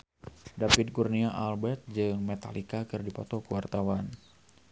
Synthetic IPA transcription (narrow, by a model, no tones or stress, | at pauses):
dapid̪̚kurniaʔalbɛt̪̚d͡ʒɨŋmɛt̪a̰likakɨrdipɔt̪ɔkuwart̪awan